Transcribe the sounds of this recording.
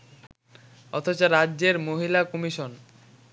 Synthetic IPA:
ɔt̪ʰot͡ɕaɾaːd͡ʑeɾmoɦilakɔmiʃon

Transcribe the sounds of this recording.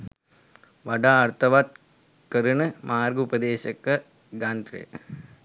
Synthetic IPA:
ʋɐɖaːɐɾt̪ɐʋat̪̚ | kɐɾunɐmaːɾɡupɐd̪eːʃɐkːɐ | ɡaːnd̪ɾḛ

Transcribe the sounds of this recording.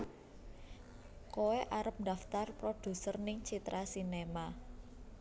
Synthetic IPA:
koeʔaɾəp̚nd̪aft̪arpɾod̥ṳsərnɪŋt͡ʃit̪ɾʔasinema

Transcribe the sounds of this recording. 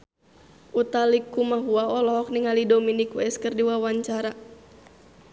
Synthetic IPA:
ʔut̪alikumaɦuaɔlɔɦɔk̚niŋalidɔminikuɛskɨrdiwawaɲt͡ʃaɾa

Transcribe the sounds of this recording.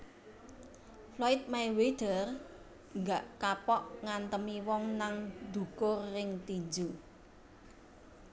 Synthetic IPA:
flɔɪt̪̚majwed̪̥ə̤r | ŋɡaʔkapɔʔŋant̪əmiwɔŋnaŋd̪̥ṳkʊrːɪŋt̪iɲd͡ʒu

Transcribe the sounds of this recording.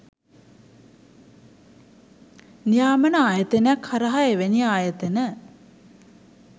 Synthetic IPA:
nijaːmənəaːjət̪enjakhaɾəɦaeʋeniaːjət̪enə

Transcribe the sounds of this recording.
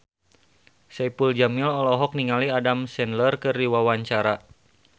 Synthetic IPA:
sɛpuld͡ʒamilɔlɔɦɔk̚niŋaliadamsɛnlərkɨriwawaɲt͡ʃaɾa

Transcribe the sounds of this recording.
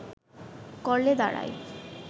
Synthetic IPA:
kɔɾled̪aɽa̰j

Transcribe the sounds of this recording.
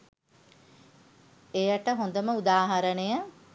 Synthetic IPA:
ejəʈəɦõnd̪əməud̪aːɦaɾənejə

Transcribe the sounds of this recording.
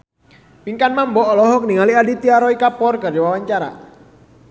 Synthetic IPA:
piŋkanmambɔʔːlɔɦɔk̚niŋaliadit̪iaɾɔikapɔrkɨrdiwawaɲt͡ʃaɾa̰

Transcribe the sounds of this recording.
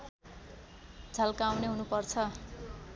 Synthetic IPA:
d͡zʱalkawneɦunupʌrt͡sʰʌ

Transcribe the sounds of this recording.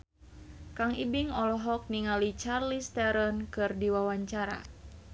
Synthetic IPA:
kaŋibiŋɔlɔɦɔk̚niŋalit͡ʃarlist̪ɛɾɔnkɨrdiwawaɲt͡ʃaɾa̰

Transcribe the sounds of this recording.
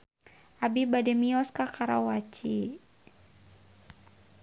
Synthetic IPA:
ʔabibadɛmiɔskakaɾa̰wat͡ʃi

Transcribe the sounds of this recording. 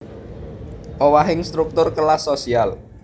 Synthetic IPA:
ʔowaɦɪŋst̪ɾuk̚t̪ʊrkəlasosial

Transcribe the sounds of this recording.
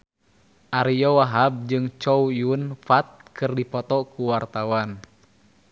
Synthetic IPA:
ʔaɾijɔwaɦab̚d͡ʒɨŋt͡ʃɔujunfat̪̚kɨrdipɔt̪ɔkuwart̪awan

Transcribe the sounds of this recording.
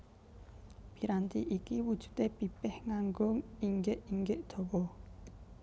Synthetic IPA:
b̥i̤ɾant̪iʔikiwud̥ʒ̥ṳ̥t̪epipɛhŋaŋɡʊŋiŋɡɪʔiŋɡɪʔd̪̥o̤wɔ

